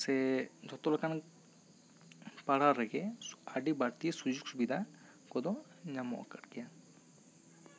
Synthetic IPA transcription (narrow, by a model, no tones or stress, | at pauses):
sɛd͡ʒʱɔt̪ɔlɔkan | paɽaɾɛɡɛaɖibaɽt̪ijesud͡ʒuɡsubid̪ʱa | kɔd̪ɔ | ɲamɔ̰ʔkəʈɡɛja